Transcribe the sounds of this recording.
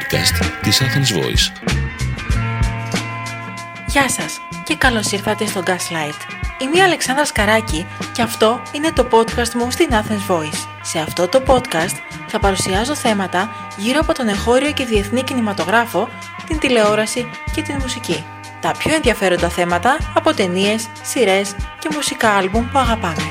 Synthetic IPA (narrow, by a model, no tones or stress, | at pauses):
kɐ̰st̪t̪isɐθenzvo̰ḭs | ʝɐsɐs | ce̞kɐlo̞siɾθɐt̪e̞st̪o̞ɡɐslɐjit̪ | imiɐːle̞ksɐnd̪ɾɐskɐɾɐciceɐft̪o̞ine̞t̪o̞po̞t̪kɐst̪must̪inɐθenzvo̞isːe̞ɐft̪o̞t̪o̞po̞t̪kɐst̪ | θɐpɐɾusiɐzo̞θe̞mɐt̪ɐ | ʝiɾo̞ɐpo̞t̪o̞ne̞ŋxo̞ɾio̞ce̞ðie̞θnicinimɐt̪o̞ɣɾɐfo̞ | t̪int̪ile̞o̞ɾɐsi | ce̞t̪inmusici | t̪ɐpçoe̞nðiɐfe̞ɾo̞nd̪ɐθe̞mɐt̪ɐːpo̞t̪e̞nie̞sːiɾe̞sce̞musikɐɐlbumpuɐɣɐpɐn